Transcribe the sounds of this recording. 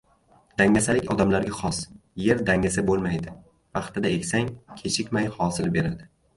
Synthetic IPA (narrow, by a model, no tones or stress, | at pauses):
d̪̥aŋʲasalɪkʲɒd̪amlaɾɡʲaχɒsje̞ɾd̪aŋasabolˠmajd̪ɪ | vɑχt̪ɪd̪ae̞kʲsaŋkʲʰe̞ʃʰɪkʲmajhɒsɪlbe̞ɾad̪ɪ